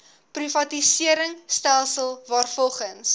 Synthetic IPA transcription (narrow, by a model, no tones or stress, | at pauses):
privɐtisiəɾəŋstælˠsəlˠvɑːrfɔlˠχəns